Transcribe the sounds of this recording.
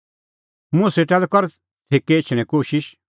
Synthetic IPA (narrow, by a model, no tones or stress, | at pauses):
mʊ̃sɛt̪ɛlkɔɾ | t̪ʰeːkeɪt͡ʃʰɽ̃ɛ̃koːʃɪʃ